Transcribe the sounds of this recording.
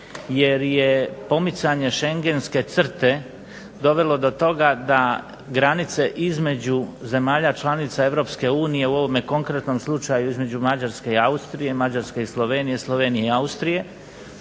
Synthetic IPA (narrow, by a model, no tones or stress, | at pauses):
jeɾjepo̞mit̪saɲeʃe̞ŋɡe̞nske̞t̪sr̩t̪e̞ | d̪o̞ʋe̞lo̞d̪o̞t̪o̞ɡad̪a | ɡɾanit̪se̞ʔizme̞d͡ʑuze̞maːʎat͡ʃlˠanit̪sae̞ʋɾo̞pske̞uːnije̞uo̞ʋo̞mjeko̞ŋkɾet̪no̞mslˠut͡ʃajuizme̞d͡ʑumad͡ʑaɾske̞iaust̪ɾije̞mad͡ʑaɾske̞islˠo̞ʋenije̞slˠo̞ʋeːnije̞iaust̪ɾije̞